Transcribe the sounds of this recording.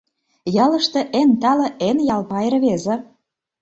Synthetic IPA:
jɑlɤ̆ʃt̪ĕʔent̪ɑlɤ̆ʔenjɑlpɑeɾβezĕ

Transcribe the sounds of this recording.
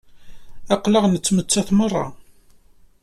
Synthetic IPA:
ɑqləʁnət͡sːmət͡sːæθmərˤːɑ̰

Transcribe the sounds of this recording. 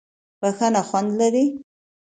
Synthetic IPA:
baxanaxwand̪laɾi

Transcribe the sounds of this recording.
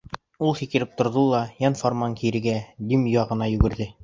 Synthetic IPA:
ulˠfikɘ̆ɾɘp̚t̪ŏɾðolˠɑjɑnformɑŋkiɾɘ̆ɡæd̪imjoɑʁɤ̆nɑjʉɡɘ̆ɾðɘ

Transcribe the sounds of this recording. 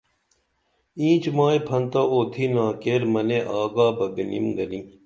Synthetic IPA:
ĩːt͡ɕmaːjpʰɐnt̪aoːt̪ʰiːnaːkeːɾmɐneʔaːɡaːbɐɡɐnḭmɡɐniː

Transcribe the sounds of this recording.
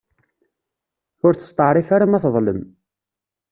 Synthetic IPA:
ʊɾt͡sːə̥st̪ˤɑʕɾˤifaɾamæθðˤləm

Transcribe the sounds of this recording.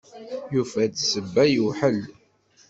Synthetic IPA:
jufæt͡ssəbːæjuħəl

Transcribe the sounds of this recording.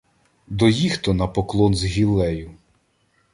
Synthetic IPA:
d̪ɔjixt̪ɔnɐpɔklˠɔnzɦʲilˠɛjʊ

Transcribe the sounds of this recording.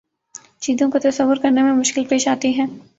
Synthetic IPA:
t͡ʃiːzõkot̪ɐsɐʋːʊɾkɐɾnemẽmʊʃkɪlpeːʃaːt̪iɦɛ̃ː

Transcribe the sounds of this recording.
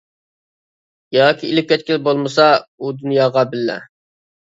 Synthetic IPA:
jɑːkʲiilɪp̚ʲːɛt̪̚kʲɪlbolˠmɨsɑud̪unjɑːʁɑbɪlːɛ̰

